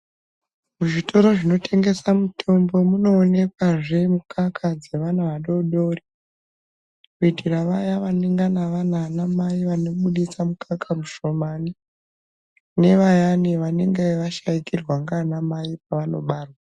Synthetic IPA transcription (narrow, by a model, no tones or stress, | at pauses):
muʐitʰo̞ɾo̞ʐino̞tʰe̞ŋɡe̞samutʰo̞mbo̞muno̞ːne̞kwaʐemukʰakʰad͡ze̞ʋanaʋaɗo̞ɗo̞ri | kuidʱiraʋajaʋaneŋɡanaʋananamajiʋanoɓuɗisamukʰakʰamuʃo̞mani | ne̞ʋajaniʋaneŋɡeʋaʃaikirwaŋɡanamajip̚aʋano̞ɓaːrwa